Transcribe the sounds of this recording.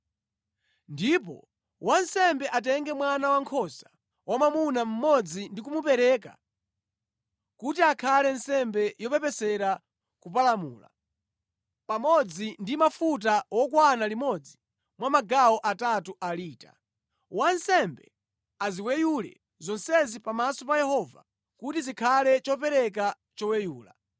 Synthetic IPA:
ndipɔ̰ | wansɛmbɛʔat̬ɛŋɡɛmwanawaŋkʰɔsḁ | wamamunam̩mɔd͡zindikumupɛɾɛːka̰ | kutiakʰalɛnsɛmbɛjɔpɛpɛsɛɾa | kup̬alamuːla̰ | pamɔd͡zindimafut̬awɔkwanalimɔd͡zi | mwamaɡaɔʔatatuʔaliːta̰ | wansɛmbɛ | aziwɛjulɛ̰ | zɔnsɛzipamasɔpajɛhɔva̰ | kutizikʰalɛt͡ʃɔp̬ɛɾɛk̬a | t͡ʃɔwɛjuːla̰

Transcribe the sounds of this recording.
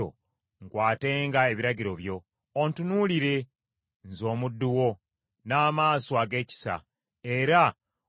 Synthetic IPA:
o̰ | ŋɡwaːte̞ːŋɡae̞βiɾaɟiɾo̞βjo̞ː | ntunuːliɾe̞ | nzo̞ːmudːuwo̞ | naːmaːsoaɡe̞ːci̥sa̰ | e̞ɾa

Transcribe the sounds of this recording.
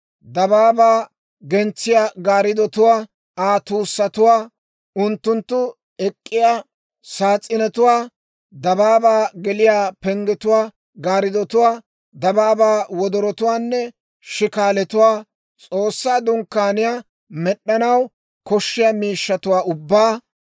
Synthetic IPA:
d̪ɐbaːbaː | ɡɛnt͡sːɪjaːɡaːɾɪd̪ɔt̪ʊwaː | aːt̪uːsːɐt̪ʊwaː | ʊnt̪ːʊnt̪ːʊ | ɛkʼːɪjaː | saːt͡sʼːɪnɛt̪ʊwaː | d̪ɐbaːbaːɡɛlɪjaːpɛŋɡɛt̪ʊwaː | ɡaːɾɪd̪ɔt̪ʊwaː | d̪ɐbaːbaːwɔd̪ɔɾɔt̪ʊwaːnːɛ | ʃɪkaːlɛt̪ʊwaː | t͡sʼoːsːaːd̪ʊŋkːaːnɪjaː | mɛɗːɐnɐw | kɔʃːɪjaːmiːʃːɐt̪ʊwaːʔʊbːaː

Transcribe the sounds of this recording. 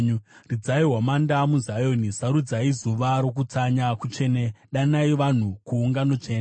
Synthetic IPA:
ɲrid͡zaiɦwamandamuzajo̞nisaɾud͡zaizuʋaɾo̞k̬ut͡saɲakut͡ʃe̞ːneɗanaiʋan̤ukuːŋɡano̞t͡ʂeːna

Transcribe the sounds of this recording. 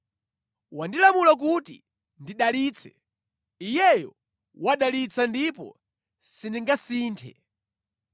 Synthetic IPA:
wandilamulak̬utḭ | ndiɗaliːt͡sʰɛ̰ | ijɛjɔ̰ | waɗalit͡sʰandipɔ̰ | siniŋɡasiːntʰɛ̰

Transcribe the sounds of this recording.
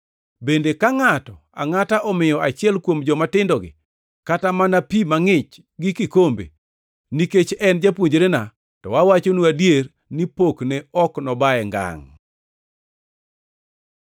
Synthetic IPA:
bendekaŋatɔ | a̰ŋataʔɔmɪjɔat͡ʃɪɛlkwomd͡ʒɔmatɪndɔɡɪ̰ | katamanapimaŋɪt͡ʃ | ɡɪkɪkombḛ | niket͡ʃɛnd͡ʒapwoɲd͡ʒɾena | tɔwawat͡ʃonuadjer | nipokneɔknɔbaɛŋɡa̰ŋ

